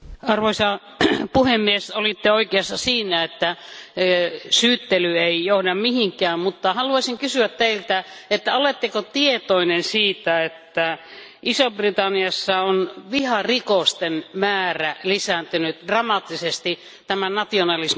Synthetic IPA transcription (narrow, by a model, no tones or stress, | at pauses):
ɑrʋoisɑ | puhemːiesolit̪ːeoikeɑsːɑsiːnæet̪ːæ | syːt̪ːelyeijohdɑmmihiŋkˑæːmmut̪ːɑhɑluɑsiŋkysyæt̪t̪eilt̪æ | et̪ːæolet̪ːekot̪iet̪oinensiːt̪æet̪ːæ | ʔisobrit̪ɑnːiɑsːɑonʋihɑrikost̪enmæːrælisænt̪ynyt̪d̥rɑmɑt̪ːisest̪i | t̪æmænɑt̪ionɑlis